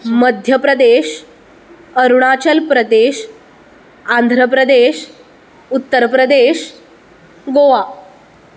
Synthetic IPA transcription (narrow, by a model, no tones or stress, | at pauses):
məd̪ʱjəpɾəd̪eɕ | əɾuɳat͡ɕəlpɾəd̪eɕ | and̪ʱɾəpɾəd̪eɕ | ut̪ːəɾpɾəd̪eɕ | ɡoʋa